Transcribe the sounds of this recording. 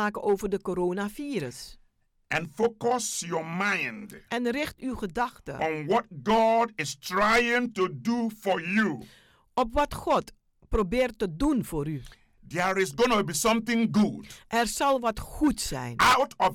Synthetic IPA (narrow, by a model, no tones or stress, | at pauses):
aːkəʔowvərdəkoɾoːnafiːɾəs | ɛ̃nfokɔsjɔmãɪndʔɛnrɪxtywχədɑχtə̰ɔ̃nwɔt̚ɡɔdɪstɹajɪ̃ŋtudufɔju | ʔɔpʋɑtxɔt | probɪːrtːədunfoːɾy | dɛɹɪsɡonəbisʌ̃mθɪ̃ŋɡud̥ʔɛrsɑlˠʋɑtxutsɛ̰jnawtɔ